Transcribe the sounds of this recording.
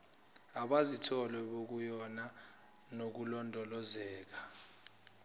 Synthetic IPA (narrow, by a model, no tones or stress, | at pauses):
aɓazitʰɔlɛɓok̬ujɔna | nok̬ulɔndʱɔlɔzɛːk̬ḁ